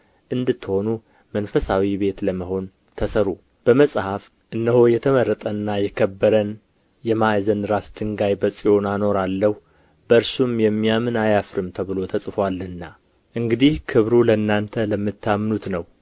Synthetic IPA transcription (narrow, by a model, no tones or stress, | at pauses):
ʔɨnd̪ɨt̪ːho̞nu | mənfəsawibe̞t̪ləməho̞n | t̪ʰəsəɾu | b̥əməsʼhaf | ʔɨnːəho̞jɛt̪ʰəməɾːət̪ʼənːajɛkʰəbːəɾən | jɛmazənɾasd̪ɨŋɡajbəsʼio̞nano̞ɾalːəhu | bəɨɾsumjɛmːijamɨnajafɾɨmt̪ʰəβɨlo̞t̪ʰəsʼfwalːɨnːa | ʔɨŋɡɨd̪ihkʰɨβɾuləɨnːant̪ʰələmːɨt̪ːamːnut̪nəw